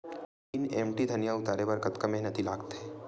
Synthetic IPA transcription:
iːnemʈid̪ʱənjaʊt̪aɾeʋəɾkət̪kəmẽɦnət̪ʰilaːɡt̪eː

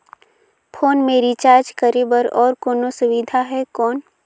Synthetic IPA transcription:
pʰoːnmeːɾit͡ʃaːɾd͡ʒkəɾebəɾɔːɾkoːnosʊʋɪd̪ʱaɦɛkɔːn

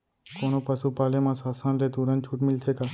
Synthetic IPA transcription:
koːnoːpəsuːpaːlemãːsaːsãːnleːt̪uːɾə̃nt͡ʃʰuːʈmɪlt̪ʰeːkaː

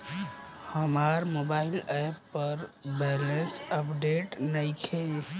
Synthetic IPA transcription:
həmaɾmobailepːəɾbɛlensəpɖeʈnəjkʰe

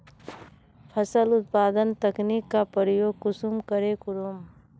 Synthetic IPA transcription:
pʰəsəlʊt̪̚paːd̪ənt̪ɐknikːapəɾəjoːɡ̚kʊsumkəɾekʊɾum

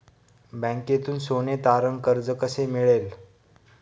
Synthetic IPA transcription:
bɛ̃ŋket̪uːnsonet̪aɾəŋɡkəɾd͡zəkəsemiɭel

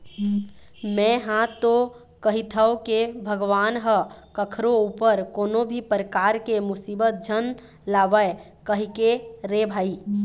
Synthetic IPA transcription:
mɛ̃ɦãt̪o | kəɦit̪ʰəwkebʱəɡʋaːnɦəkəkʰɾoupəɾkoːnobʱipɾəkaɾkemʊsibət̪̚d͡ʒʱən | laʋəe | kəɦikeɾebʱaːi

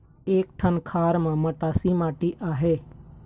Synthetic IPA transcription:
eːk̚ʈʰənkʰaːɾmãməʈaːsimaːʈiʔaːɦeː

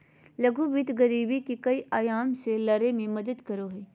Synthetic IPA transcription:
lɐɡuʋɪt̪ɡɐɾiːbikikɐiʔaːjaːmselɐɾemẽmɐd̪əd̪kɐɾoɦeː

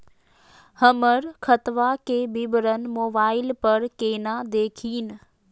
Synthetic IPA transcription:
həməɾkʰət̪ʋakebɪbəɾənmoːbaːɪlpəɾkeːnad̪eːkʰiːn

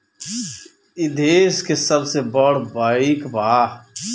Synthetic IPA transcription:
ɪd̪ʱeːskesəbsebəɽ̤baːikbaː

